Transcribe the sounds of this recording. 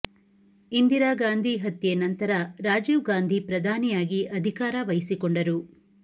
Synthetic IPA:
ind̪iɾaːɡaːnd̪ʱiɦɐt̪jenɐnt̪ɐɾɐɾaːd͡ʒiʋɡaːnd̪ʱipɾɐd̪ʱaːnijaːɡiʔɐd̪ʱikaːɾɐʋɐjisikɔɳɖɐɾu

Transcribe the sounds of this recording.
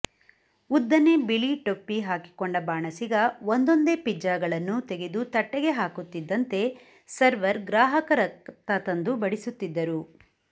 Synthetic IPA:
ud̪ːɐnebiɭiʈopːiɦaːki̥koɳɖɐbaːɳɐsiɡɐond̪o̞nd̪e̞pid͡ʒaːɡɐɭɐnːut̪e̞ɡe̞d̪ut̪ɐʈːɛɡeɦaːkut̪ːid̪ːɐnt̪e̞ | sɐɾʋɐɾɡɾaːɦɐkɐɾɐt̪ɐt̪ɐnd̪ubɐɽisut̪ːid̪ːɐɾu

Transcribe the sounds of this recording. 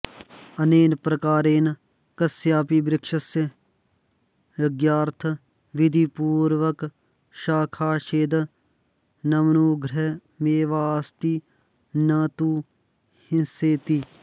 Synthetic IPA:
ɐneːnpɾɐkaːɾeːn | kɐsjaːpiːbɾɪkʃəsjə | ʋɪɡjaːɾt̪ʰə | ʋɪd̪ʱipuːɾʋək | ʃaːkʰaːʃeːd̪ | nɐmnuːɡʱɾe | meːʋaːst̪iː | naːt̪uː | hɪnseːt̪iː

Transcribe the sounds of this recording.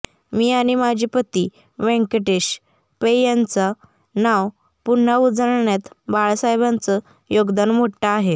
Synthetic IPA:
miːaɽ̃imad͡ʑʱiːpət̪i | ʋẽŋkəʈeɕ | pejant͡sa | naw | pun̤ːaud͡zəɾɳjat̪baɭsajbant͡sə | joɡd̪anm̤oɽʈaaɦe

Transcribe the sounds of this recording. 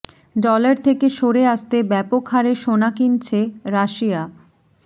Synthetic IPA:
ɖɔlaɾt̪ʰekeʃoɾeaʃt̪ebɛpokʰaɾeʃonakint͡ɕʰeɾaʃia

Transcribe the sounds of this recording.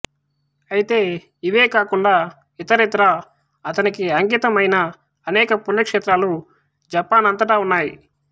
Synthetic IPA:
ɐjit̪e̞ː | iʋeːkaːkuɳɖaː | it̪ɐɾit̪ɾa | ɐt̪ɐnikiɐŋɡit̪ɐmɐjnɐː | nɛːkɐpunːɐkʂeːt̪ɾaːlu | d͡ʒɐpaːnɐnt̪ɐʈaːunːaːji

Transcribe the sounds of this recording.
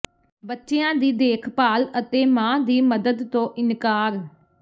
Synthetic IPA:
bətːʃeãːd̪iːd̪eːkʰpaːlət̪eːmãːd̪iːməd̪əd̪t̪õːʔɪnkaːɾ

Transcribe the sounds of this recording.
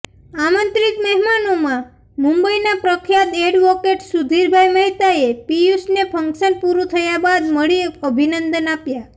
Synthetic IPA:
amənt̪ɾikməɦmanomã | mũmbəjnapɾəkʰjat̪eɖʋɔkeʈsud̪ʱiɾbʱajməɦt̪aepiusnepʰəŋkʃənpuɾut̪ʰəjabad̪məɭiəbʱinənd̪ənapja

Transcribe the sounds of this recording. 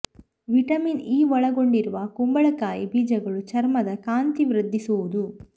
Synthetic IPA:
ʋiʈɐmiːniːʋɔɭɐɡoɳɖiɾuʋɐkumbɐɭɐkaːjibiːd͡ʒɐɡɐɭut͡ʃɐɾmɐd̪ɐkaːnt̪iʋɾɐd̪ʱːisuʋud̪u

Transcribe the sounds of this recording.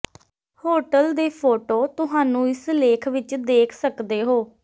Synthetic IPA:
hoːʈəld̪eːpʰoːʈoːt̪ʊɦaːnũːɪsleːkʰʋɪt͡ʃd̪eːkʰsəkd̪eːɦoː

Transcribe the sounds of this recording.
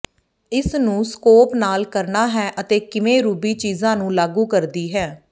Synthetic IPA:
ɪsnũːskoːpnaːlkəɾnaːɦɛːʔət̪eːkɪʋẽːɾuːbiːt͡ʃiːzãːnũːlaːɡuːkəɾd̪iːɦɛː

